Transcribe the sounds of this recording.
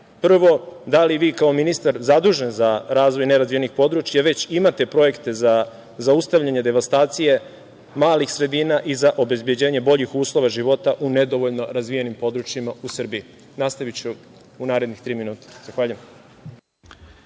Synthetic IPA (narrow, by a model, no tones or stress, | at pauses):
pr̩ʋo̞d̪aliʋiːkao̞minist̪aɾzad̪uːʒenzaɾaːzʋo̞jneɾazvienixpo̞d̪ɾut͡ʃjaʋe̞t͡ɕimat̪e̞pɾo̞je̞kt̪e̞za | zaust̪aʋʎaɲed̪e̞ʋast̪aːt̪sije̞ | maːlixsɾe̞d̪iːnaʔizaʔo̞be̞zbje̞d͡ʑe̞ːɲe̞bo̞ʎixuːslˠo̞ʋaʒiʋo̞t̪aʔune̞d̪o̞ʋoʎno̞ɾazʋijenimpo̞d̪ɾut͡ʃjimausr̩bii | naːst̪aʋit͡ɕu | unaːɾe̞d̪nixt̪ɾiːminuːt̪ḁz̥axʋaːʎujem